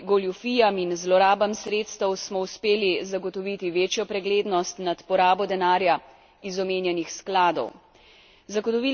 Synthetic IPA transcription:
ɡɔlufiːjaminzlɔɾaːbamsɾeːt̪st̪ɛwsmɔuspeːlizaɡɔt̪ɔʋit̪iʋeːt͡ʃjɔpɾɛɡleːd̪nɔst̪nat̪pɔɾaːbɔd̪ɛnaːɾja | izɔmeːnjɛnixsklaːd̪ɔ̰w | zaɡɔt̪ɔʋi

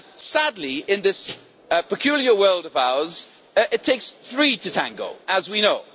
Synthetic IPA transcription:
sadˡliɪ̃nðɪs | pəkʰj̥ʉːlˠjəwɜːlˠdəvaʊəz | ʔɪtʰeɪksθɹiːtʰətʰã̰ŋɡə̰ʊəzwinoʊ

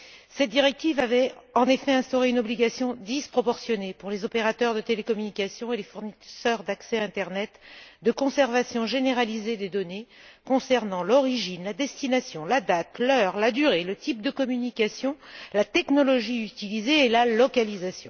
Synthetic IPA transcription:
sɛt̪̚d̪iʁɛk̚t̪ivavɛɑ̃nefɛɛ̃st̪ɔʁeynɔbliɡasjɔ̃d̪ispχɔpɔʁsjɔnepuʁlezɔpeʁat̪œʁd̪ət̪elekɔmynikasjɔ̃elefuʁnisœʁd̪aksɛɛ̃t̪ɛʁnɛt̪d̪əkɔ̃sɛʁvasjɔ̃ʒeneʁalized̪ed̪ɔnekɔ̃sɛʁnɑ̃lɔʁiʒinlad̪ɛst̪inasjɔ̃lad̪at̪lœʁlad̪yʁelət̪ip̚d̪əkɔmynikʲasjɔ̃lat̪ɛknɔlɔʒiyt̪ilizeːlalɔkalizasjɔ̃

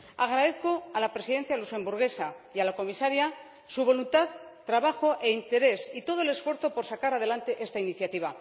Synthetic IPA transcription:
aɣ̞ɾað̞e̞θko̞alapɾe̞siðe̞nθjaluse̞mbuɾɣe̞sajalako̞misaɾja | suβ̞o̞lunt̪aðt̪ːɾaβaxo̞ʔeint̪e̞ɾe̞sit̪o̞ð̞oele̞sfwe̞ɾθo̞po̞ɾsakaɾað̞e̞lant̪e̞ʔe̞st̪ainiθjat̪iβ̞a

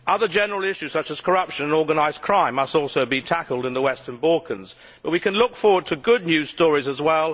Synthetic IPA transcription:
ʔʌðə˞d͡ʒɛnə˞əl̩ˠɪʃʉz̥sʌt͡ʃɨz̥kʰə˞ʌpʃɨ̃nɨ̃nɔɹɡənaɪz̥kʰɹ̥ãɪ̃mːʌstɔˑlˠsoʊbitʰækl̩ˠdɨ̃nðəwɛstə̃nbɔlˠkʰə̃nz̥ | b̥ʌt̚wikɨ̃nlʊkfɔɹwə˞d̚tʰɨɡʊdⁿnjʉ̥stɔɹizəzwɛlˠ

